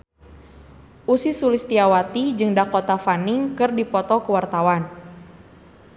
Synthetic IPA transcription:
ʔusisulist̪iawat̪id͡ʒɨŋdakɔt̪afaniŋkɨrdipɔt̪ɔkəwart̪awan

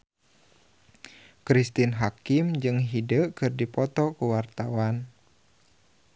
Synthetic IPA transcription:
kɾist̪inɦakɪmd͡ʒɨŋɦidəkɨrdipɔt̪ɔkuwart̪awan

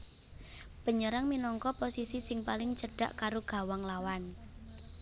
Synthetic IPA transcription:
b̥ə̤ɲəɾaŋminɔŋkɔposisisɪŋpalɪŋt͡ʃəɖ̥a̤ʔkaɾoɡ̥a̤waŋlawan

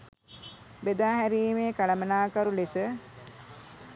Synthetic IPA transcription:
bed̪aːɦæɾiːmeːkalɐmənaːkaɾulisə

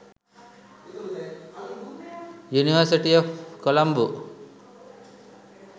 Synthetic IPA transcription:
juniwaɾsiʈiɔfkɔlambu

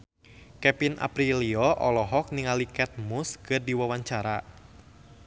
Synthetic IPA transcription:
kɛpinʔa̰pɾiliɔʔɔlɔɦɔk̚niŋalikɛt̪̚muskɨrdiwawaɲt͡ʃaɾa

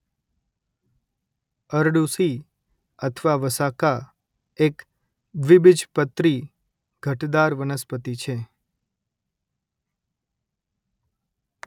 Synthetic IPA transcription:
əɾɖusi | ət̪ʰʋaʋəsaka | ek | ʋɪbɪd͡ʒpət̪ɾi | ɡ̥ʱəʈd̪aɾʋənəspət̪it͡ʃʰe

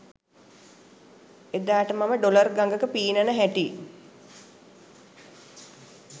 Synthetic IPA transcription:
ed̪aːʈəmaməɖolərɡaŋɡəkəpiːnənəɦæʈi

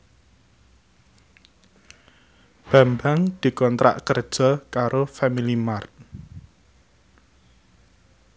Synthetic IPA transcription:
b̥ä̤mbaŋd̪̥i̤kɔnt̪ɾa̰ʔkərd̥ʒ̥ɔ̤kaɾofamilimart̪̚

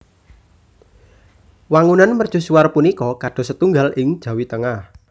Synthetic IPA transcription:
waŋunanmərd̥ʒ̥ṳsuarpunikɔkaɖ̥ɔ̤sət̪uŋɡalʔɪŋd̥ʒ̥a̤wit̪əŋah

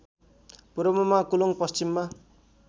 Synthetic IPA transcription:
puɾʌmʌmakuloŋpʌst͡ɕimːa

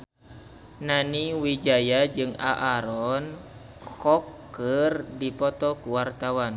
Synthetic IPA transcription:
naniwid͡ʒajad͡ʒɨŋa̰ʔaɾɔn | kɔkːərdipɔt̪ɔkuwart̪awan

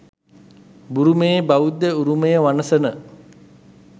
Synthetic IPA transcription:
buɾumejəbaʋud̪ːəuɾuməjəʋanəsənə

